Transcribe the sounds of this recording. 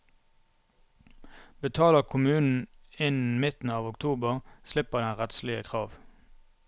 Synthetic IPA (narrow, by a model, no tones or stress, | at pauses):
bət̪ʰɑːləʁkʰʊmʉːnn̩ɪn̩mɪt̪n̩ɑːʋʊkt̪ʰuːbəʁslɪpəʁd̪ɛnʁɛt̪slɪə̰kʰʁɑːʋ